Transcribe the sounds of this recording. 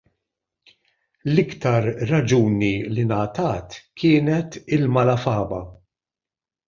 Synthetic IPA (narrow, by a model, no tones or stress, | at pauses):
lɪkt̪ɐɾːɐd͡ʒuːnilinɐt̪ɐːt̪kʰɪːnɛt̪ɪlmɐlɐfɐːbɐ